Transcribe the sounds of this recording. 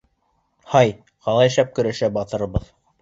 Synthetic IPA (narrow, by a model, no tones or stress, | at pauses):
hɑj | qɑlˠɑjæ̆ʃæp̚kɵ̆ɾæʃæbɑt̪ɤ̆ɾɤ̆βɤð